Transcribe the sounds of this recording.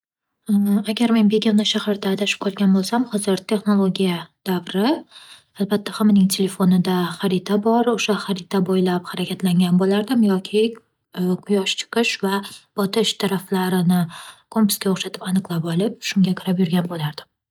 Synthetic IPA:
aɡʲaɾme̞nbe̞ɡʲamnɪʃahaɾd̪ad̪ʰaʃɪ̥p̚qʰɒlˠɡʲanbolˠsamχɒzɪɾt̪ʰe̞χno̞lˠoɡʲijad̪̥avɾɪ | albat̪ːahamanɪŋt̪ʰe̞le̞fonɪd̪aχaɾɪt̪ʰabɒɾoʃaχaɾɪt̪ʰabojlapχaɾakʲʰat̪laŋɡʲanbolaɾd̪ɪmjɒkʲʰɪ | qʰʊjɒʃt͡ʃʰɪ̥qɨʃvab̥ɒt̪ʰɪʃt̪ʰaɾaflaɾɪnɪkʰompʊ̥skʲaoχʃat̪ʰɪpanɨqlˠapɒlˠɪp̚ʃʊŋɡʲakʲʰʊɾapjʊɾɡʲanbolaɾd̪̥ɪm

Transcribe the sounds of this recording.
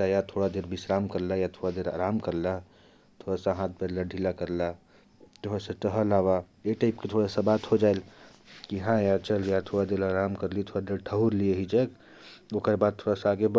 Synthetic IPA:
ajat̪ʰoɽad̪eɾbisɾamkəɾlajat̪ʰoɽad̪eɾa̰ːɾaːmkəɾla | t̪ʰoɽasaɦãt̪̚ʰpeɾlaɖʱilakəɾla | t̪oɦasãʈəɦəlawaeʈaɪpket̪ʰoɽasabat̪ɦod͡ʒael | kiɦãjat͡ʃəljat̪ʰoɽad̪eɾaːɾamkəɾlit̪ʰoɽad̪eɾʈʰəɦuɾlieɦid͡ʒək | okəɾbad̪̚t̪ʰoɽasaaɡeb

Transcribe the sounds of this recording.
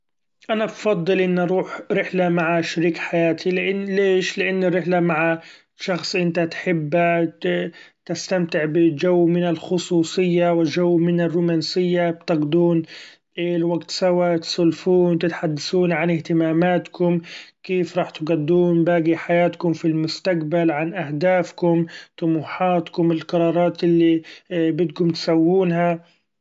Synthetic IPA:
ʔanabfɑd̪ˤːɨlʔɪnːʔɑɾˤuːħɾɪħlamaʕaʃaɾiːkħajaːt̪ʰilɪʔɪleːʃlɪʔanːɪrːɪħlamaʕa | ʃɑxsˤʔɪnt̪at̪ħɪbːa | t̪ɪst̪amt̪ɪʕbɪd͡ʒawːmɪnɪlxʊsˤuːsˤɨjːawɪld͡ʒawːmɪnɪrːuːmaːnsɪjːabt̪ɪɡd̪uːn | ʔelwaɡt̪sawat̪sˤʊlfuːnt̪ɪt̪ħad̪ːasuːnʕanɪht̪ɪmaːmaːt̪kʊmkeːfɾˤɑːħt̪ɡad̪ːuːnbaːɡiħajaːt̪kʊmfilmʊst̪aqbalʕanʔahd̪aːfkʊmt̪ʊmuːħaːt̪kʊmɪlqɑɾˤɑːɾˤɑːt̪ʔɪlːibɪt̪ɡʊmt̪ɪ̥sawːuːnɦa

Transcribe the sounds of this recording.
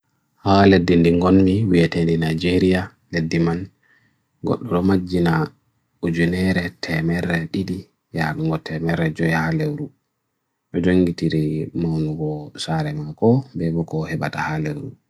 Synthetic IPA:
haledːindiŋɡɔnmiwiɛtendinajd͡ʒeɾija | ledːiman | ɡɔ̰ɗːɔɗɔmad͡ʒːina | ud͡ʒunɛɾɛtʰɛmɛɾːɛɗiɗi | ja̰luŋɡɔtʰɛmɛɾɛd͡ʒɔjɛhalewɾu | ʔɛd͡ʒoŋɡitiɾimawnuɡɔsaɾɛmakɔbɛbɔkɔhɛɓa̰tahalewɾu

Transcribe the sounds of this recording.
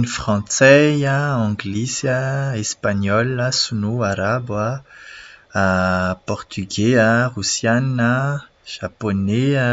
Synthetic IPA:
nifχɑ̃t͡sɛjaɑ̃ɡlisəespaɲɔlasunoaɾaba | pɔʁt̪ʰyɡɛaʁusjanə | ʒ̥aponɛ

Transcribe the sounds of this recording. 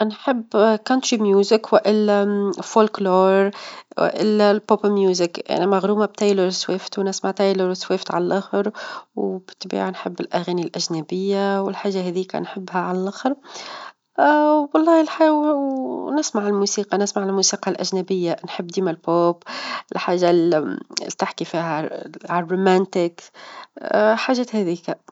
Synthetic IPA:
nħɪbːkɑnt̪ɾimjuːzɪkwɪʔɪlːæfolkloːɾwɪ̰ʔɪ̰lːælpopmjuːzɪkʔæ̰næmæɣɾuːmab̚t̪ajləɾswɪft̪wnɪsmaʕt̪ajləɾswɪft̪ʕa̰lælʔʊxɾwbɪ̥t̪ːbḭːʕanħɪbːɪlʔæɣæːnilʔæʒnæbɪjːawɪlħaːʒːaɦɛːðijːkæ̰nħɪbːhæʕalælʔaxɾ | wɑlˤːɑːhɪlħaw | nɪsmaʕɪlmusiːqɑnɪsmaʕlmuːsiːqɑlʔæʒnæbɪjːanħɪbːd̪iːmælpoːpʔɪlħaːʒːa | t̪ɪħkifihaʕarːomænt̪ɪk | ħaːʒæːt̪hɛðiːka

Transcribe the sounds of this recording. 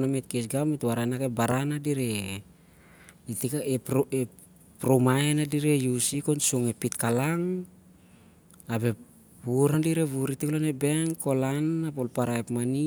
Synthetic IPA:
namet̚kesɡametwaɾanakebaɾanadiɾe | itikaepe | pɾomaenadiɾejusikonsuŋepit̪kalaŋ | abe | buɾandiɾeβuɾitiklonebe̞ŋko̞lanapolpaɾaepmani

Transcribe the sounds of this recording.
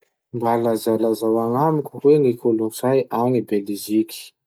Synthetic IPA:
mbalazalazawaŋamikuwenikʰoloŋsajanibeliʒiki̥

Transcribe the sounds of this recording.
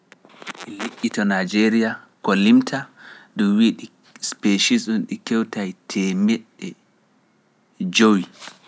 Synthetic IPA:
ʔɛleʔʲːitɔnajd͡ʒeɾijakolimtʰadumwiɗi | speʃisunɗikɛwtajtʰɛmɛɗɛ | d͡ʒowi

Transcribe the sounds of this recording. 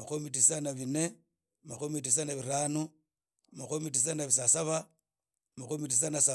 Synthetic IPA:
makomit̬isanaβine | makomit̬is̬anaβiɾanu | maxomit̬is̬anaβis̬asaβa | makomitis̬anasa

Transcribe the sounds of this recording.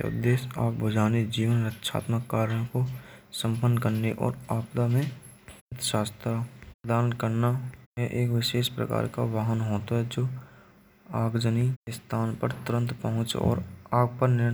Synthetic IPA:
ʊ̰d̪ːeːʃa̰ːɡbʊd͡ʒaːned͡ʒiːʋənɾətʃʰa̰ːt̪məkːaːɾjõkosə̃mpənkəɾneʔɔ̰ːɾaːpt̪amẽ | ət̪ʃaːst̪ɾapəd̪aːnkəɾnamẽʔeːkʋɪʃeːʃpɾə̰ka̰ːɾka̰ʋaːɦənɦoːt̪aɦɛd͡ʒoː | aːɡd͡ʒəniɪst̪ʰaːnpəɾt̪ʊɾə̃nt̪pəɦʊ̃t͡ʃɔ̰ːɾaːɡ̚pəɾnɪɾ

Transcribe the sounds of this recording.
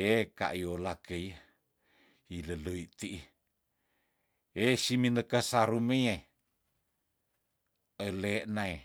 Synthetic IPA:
eka̰ʔiolakəj | iləloit̪iʔi | esiminəkəsaɾuməe | əleːʔnae

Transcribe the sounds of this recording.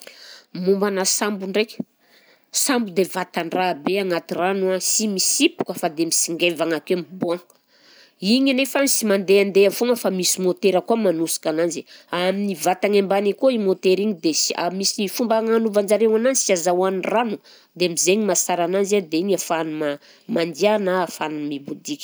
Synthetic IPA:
mumbanasambuɳɖ͡ʐejkʲ | sambud̪evat̪aɳɖ͡ʐabeaŋat̪iranasimisipu̥kəfad̪emisiŋɡevaŋakemibuaŋ | iɲnefanisimand̪eand̪eafuŋəfamisimot̪eɾəkuamanusi̥kananziaminivat̪aŋembanikoimot̪eɾiɲid̪esa̰misiifumbaŋanuvand͡ʒaɾewananisiazawanranu | d̪emizeɲimasaɾananzad̪eiɲafanuma | mand̪ianaːfanumibud̪ikʲ

